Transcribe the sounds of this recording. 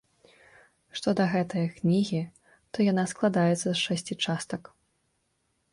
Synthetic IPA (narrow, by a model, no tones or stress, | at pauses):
ʂt̪ɔd̪ɐɣɛt̪ɐjɐknʲiɣʲi | t̪ɔjanasklˠad̪ajɛt̪sɐsʂɛsʲt͡sʲit͡ʂast̪ɐk